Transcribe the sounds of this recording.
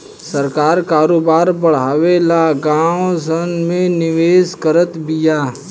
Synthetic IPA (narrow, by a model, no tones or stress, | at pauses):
sɐɾkaːɾkaːɾoːbaːɾbɐɽ̤aːʋelaɡãːsənmẽnɪʋeːskəɾət̪bɪjaː